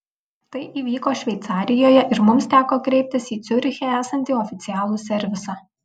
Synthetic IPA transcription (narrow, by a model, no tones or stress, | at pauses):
t̪ɐɪʔiːʋʲiːkoːʃʲʋʲɛɪt̪sɑːɾʲɪjoːjɛʔɪɾmʊmst̪ʲæːkoːkɾʲɛɪp̚ʲt̪ʲɪsiːt̪sʲʊɾʲxʲeːæːsɐnʲt̪ʲiːɔfʲɪt̪sʲɪjæːlˠuːsʲɛɾʲʋʲɪsɑː